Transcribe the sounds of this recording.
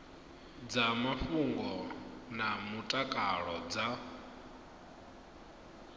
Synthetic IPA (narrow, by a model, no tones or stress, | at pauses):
d͡zamafuŋɡɔnamutʼakʼaɺɔd͡za